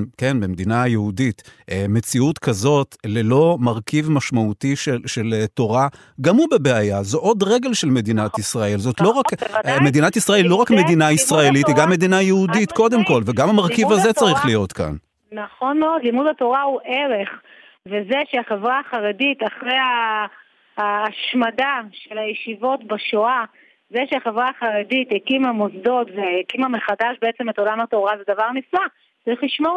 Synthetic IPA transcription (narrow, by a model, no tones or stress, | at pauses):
ke̞nbemed̪inajeuditʔeme̞t͡siut̪kʰazo̞tlelo̞maʁkivmaʃmaut̪iʃeʃeleto̞ʁa | ɡamubebeajazoʔo̞d̪ʁe̞ɡe̞lʃelme̞d̪inat̪isʁae̞lzo̞t̪lo̞ʁakme̞d̪inatisʁae̞lːo̞ʁakme̞d̪inaisʁae̞lit̪eɡamːe̞d̪inajeudit̪ko̞d̪e̞mko̞lveɡamamaʁkivazet͡saʁiχlijo̞tka̰n | naχo̞nmeo̞d̪limudato̞ʁauʔeʁe̞χ | veze̞ʃeaχevʁaːχaʁedit̪aχʁeja | ʃmadaʃe̞lajeʃivo̞tbaʃoa | zeʃeaχe̞vʁaːχaʁedithekimamozdo̞tveekimame̞χadaʃbeet͡se̞meto̞lamato̞ʁazedavaʁnisla | t͡saʁiχliʃmo̞ʁ